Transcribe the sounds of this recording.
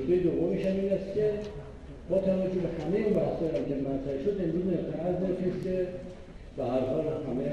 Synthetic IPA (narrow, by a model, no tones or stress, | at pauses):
d̪ejed̪ovːomiːʃæmiːnæst̪cʲʰe | bɒːt̪ʰævæd͡ʒobehæmejinbæhsɒːjæɟæɾmænt̪ʰɾæiʃod̪e̞mɾuːzet̪ʰeæznet̪ʰesce | bæhæɾhɒlhæmej